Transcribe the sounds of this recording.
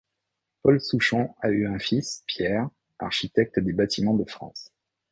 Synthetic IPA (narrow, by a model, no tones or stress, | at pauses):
pɔlsuʃɔ̃ayɛ̃fispjɛʁ | a̰ʁʃit̪ɛk̚t̪d̪ebat̪imɑ̃d̪əfχɑ̰̃s